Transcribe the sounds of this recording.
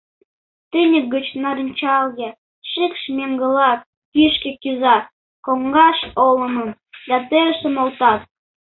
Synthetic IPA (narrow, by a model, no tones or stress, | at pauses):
t̪ənʲək̚ɡə̆t͡ɕnɑɾənʲt͡ɕɑlje | ʃikʃmʲemɡə̆lɑt̚ | kyʃkekyzɑ | koŋɡɑʃolə̆məm | d̪ɑt̪eɾəʃə̆molt̪ɑt̪̚